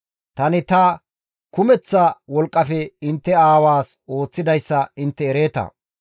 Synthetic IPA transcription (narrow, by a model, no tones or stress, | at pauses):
t̪ɐnɪt̪ɐ | kʊmɛt͡sːɐwɔlkʼːɐfɛɪnt̪ːɛaːwaːso̞ːt͡sːɪd̪ɐjsːɐɪnt̪ːɛːɾeːt̪ɐ̰